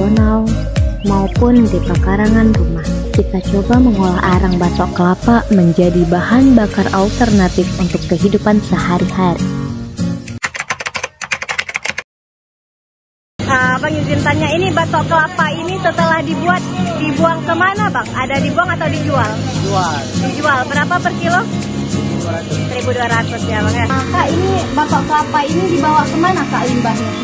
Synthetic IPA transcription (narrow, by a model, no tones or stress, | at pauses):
onaw | maupʊndipakaɾaŋanrumahkit̪at͡ʃobaməŋolaɦʔaɾaŋbat̪ɔkəlapaməɲd͡ʒadibahanbakaralt̪ərnat̪ɪfunt̪ʊkːəɦidupansəhaɾihaɾi | əbaŋid͡ʒint̪aɲainibat̪ɔʔkəlapainisət̪əlahdibuat̪̚dibuaŋkəmanabaŋadadibuaŋat̪awdid͡ʒual | id͡ʒualdid͡ʒualbəɾapapərkilo | at̪səɾibuduaɾat̪ʊsjabaŋakaʔinibat̪ɔʔkəlapainidibawakəmanakaʔlimbaŋ